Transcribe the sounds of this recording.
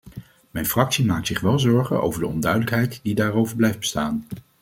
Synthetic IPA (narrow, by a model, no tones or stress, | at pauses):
mɛjnfrɑksimaːktsɪχʋɛlˠzɔɹχə̰no̰wvəɹdəɔndœɥdələkɦɛjtdidaːrowvəɹblɛjfd̚bəstaːn